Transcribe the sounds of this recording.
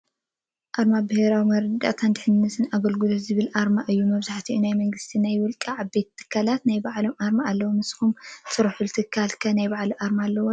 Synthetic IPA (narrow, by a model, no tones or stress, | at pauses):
ʔaɾmabɨheɾawimɐɾɐd̪a̰t̪ʰand̪ɨħɨnnɨsɨnaɡɐlɡɨlot̪zɨβɨlʔaɾmaʔɨjːumɐβzaħt̪ʰiʔunajmɐŋɡɨst̪ʰinajwɔlkʼiʕaβbe̞t̪ʰːɨ̥kʰːalat̪najbaʕlo̞mʔaɾmaʔːlːɐwomɨsxumsʰɨɾɐħult̪ʰɨkʰːalkʰɐnajbaʕliʔaɾmalːɐwo